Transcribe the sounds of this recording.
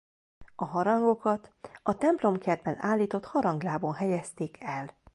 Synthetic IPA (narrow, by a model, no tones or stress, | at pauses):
ɒɦɒɾɒŋɡo̞kɒt̪ɒt̪ɛmplo̞mkɛrd̪bɛnaːlːiːt̪ot̪hɒɾɒŋɡlaːbonɦɛjɛst̪eːkʰɛl